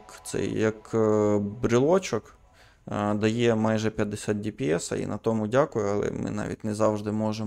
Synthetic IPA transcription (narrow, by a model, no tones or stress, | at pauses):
kt̪sɛ̰jɐk | bɾɪlˠɔt͡ʃɔk | d̪ɐjɛmɑjʒɛpʲjɐd̪ːɪsʲat̪̚dʲipʲiɛsɐ̰ḭnɐt̪ɔmʊdʲakʊjʊɐlˠɛ̰mɪ̰nɑ̰ʋʲḭt̚ʲnɛzɑwʒd̪ɪmɔʒe